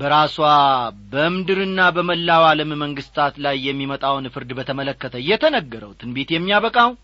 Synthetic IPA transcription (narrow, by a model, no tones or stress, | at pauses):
bəɾaswabəɨmd̪ɨɾɨnːabəməlːawaləmməŋɡɨst̪ʰat̪lajːɛmːimət̪ʼawnfɨɾd̪bət̪ʰəmələkːət̪ʰəjːɛt̪ʰənəɡːəɾəwt̪ʰɨnbe̞t̪jɛmːijaβəkʼaw